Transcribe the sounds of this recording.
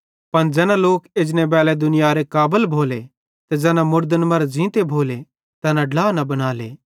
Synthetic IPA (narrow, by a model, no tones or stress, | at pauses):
pɐnd͡ʒɛːnaloːkeːd͡ʒnebɛːlɛd̪ʊnɪjaɾekaːbəlbʱoːle | t̪ɛd͡ʒɛːnãmʊɾd̪ənmɐɾd͡ʒĩːt̪ebʱoːle | t̪ɛːnãɖlaːnɐbɐɽ̃aːlḛː